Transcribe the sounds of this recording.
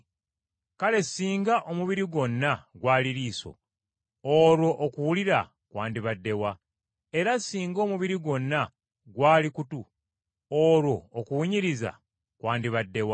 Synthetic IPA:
kale̞siːŋɡaʔomuβiɾiɡo̞nːaɡwaːliɾiːso̰ | oːɾwo̞ʔːkuwuliɾa | kwaːndiβadːe̞wa | e̞ɾasːiːŋɡo̞ːmuβiɾiɡo̞nːa | ɡwaːlikutu | oɾwo̞ːkuwuɲiɾiza̰ | kwaːndiβadːe̞wa

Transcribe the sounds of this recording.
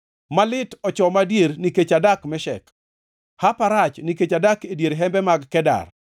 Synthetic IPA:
malɪtɔt͡ʃɔmadjeɾniket͡ʃadakmɛʃɛ̰k | hapaɾat͡ʃniket͡ʃadakedjeɾɦɛmbɛmaɡkɛda̰r

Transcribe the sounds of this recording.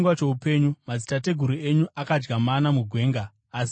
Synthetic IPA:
ŋɡwat͡ʃe̞upe̞ɲumad͡zitate̞ɡʱuɾue̞ɲuʔakad͡ʒɡamanamuɡʱwe̞ːŋɡaː | s

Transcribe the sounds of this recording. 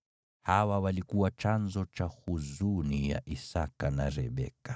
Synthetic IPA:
hawawalikuwat͡ʃanzɔt͡ʃahuzunija̰ʔisakanaɾɛ̰ɓɛ̰ka

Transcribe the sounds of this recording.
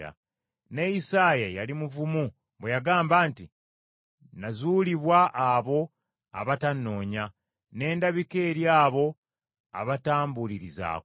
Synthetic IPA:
a̰ | nejisaːjajalimuvumu | bwejaɡaːmbaːnti | nazuːliβwaʔːβo̞ | a̰βatanːo̞ːɲa | ne̞ːndaβikeːɾjaːβo̞ | a̰βataːmbuliɾiza̰ː

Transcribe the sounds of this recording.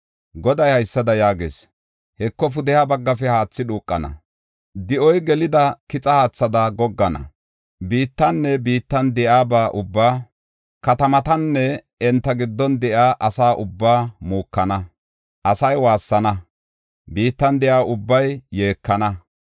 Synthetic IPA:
ɡɔd̪ɐjhɐjsːɐd̪ɐjaːɡḛːs | hɛkːɔf̬ʊd̪ɛhabɐɡːɐfɛhaːt͡sːɪᶑuːkʼːɐnɐ̰ | d̪ɪʔɔjɡɛlɪd̪ɐkɪt͡sʼɐhaːt͡sːɐd̪ɐɡɔɡːɐnɐ̰ | biːt̪ːɐnːɛbiːt̪ːɐnd̪ɛʔaːbaːʔʊbːaː | kɐt̪ɐmɐt̪ɐnːɛ | ɛnt̪ːɐɡɪd̪ːɔnd̪ɛʔaːʔɐsaːʔʊbːaːmuːkːɐnɐ | ʔɐsɐjwaːsːɐnɐ | biːt̪ːɐnd̪ɛjaːʔʊbːɐjːe̞ːkːɐnɐ

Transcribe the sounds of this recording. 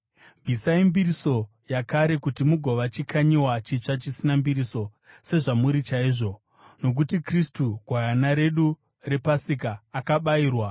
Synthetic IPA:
vʱisaimbiɾiso̞ | jakaɾe̞kutimuɡʱo̞ʋat͡ʃikʰaɲiwat͡ʃit͡ʂat͡ʃisinambiɾiso̞ | se̞ʐamuɾit͡ʃaiːʐo̞ | no̞k̬utikristuɡʱwajanaɾe̞ɗu | re̞pasikaːkaɓaiːrwa

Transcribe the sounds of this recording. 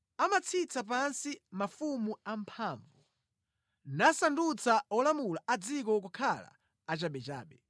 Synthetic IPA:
amat͡sʰit͡sapansimafumuampʰaːɱvu | nasandut͡saɔlamulaʔad͡zikɔk̬ukʰala̰ː | t͡ʃaɓɛt͡ʃa̰ːɓɛ

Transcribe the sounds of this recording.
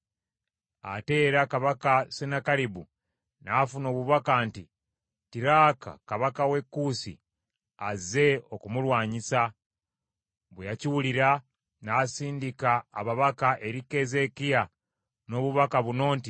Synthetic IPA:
a̰te̞ːɾakaβakasenakaɾibu | naːfunoːβuβakanti | tiɾaːka̰kaβakawe̞kːuːsḭ | aze̞o̞kumulwaːɲisa | βwejaciwuliɾa | naːsiːndikaːβaβakaʔe̞ɾike̞ze̞kija | no̞ːβuβakaβuno̞ːnti

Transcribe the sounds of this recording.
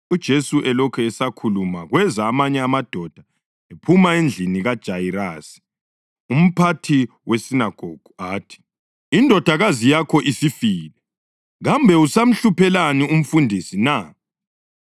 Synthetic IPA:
ud̥ʒ̥ʱesuʔɛlɔkʰɛɛsakʰulumaɣwɛzaːmaɲɛamad̥ʱɔd̥ʱa | epʰumaend͡ɮʱiniɣad̥ʒ̥ʱajiraːsi̥ | um̩pʰatʰi | wʔesinaɡ̥ʱoɡ̥ʱuaːtʰi̥ | indʱɔd̥ʱaɣazijakʰɔʔisifiːlɛ | ɣambʱɛusam̩ɬupʰɛlanium̩fundʱisina

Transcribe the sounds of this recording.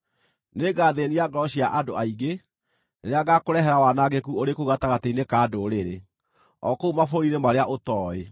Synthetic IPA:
neɡaːðeniaɡɾɔɕiaʔadoaiɡe | neɾeaɡakoɾɛɦɛɾawanaɣekuoɾekoɣataɣateinekaːdoɾeɾe | ɔ̰koumafoɾinemaɾeaʔotɔːe

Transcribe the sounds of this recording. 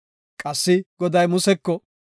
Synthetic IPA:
kʼɐsːɪɡɔd̪ɐjmʊsɛkːɔ

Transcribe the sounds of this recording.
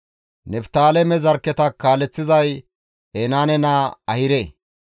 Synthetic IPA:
nɛft̪aːlɛmɛzɐɾkːɛt̪ɐkːaːlɛt͡sːɪzɐj | ɛnaːnɛnaːɐhɪɾe

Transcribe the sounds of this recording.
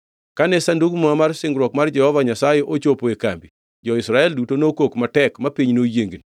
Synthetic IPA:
kanɛsanduɡmuamarsɪŋɡɾwɔkmard͡ʒɛhɔvaɲasajɛʔot͡ʃopoekambi | d͡ʒɔɪsɾaɛldutonokokmatɛkmapiɲnojeŋɡni

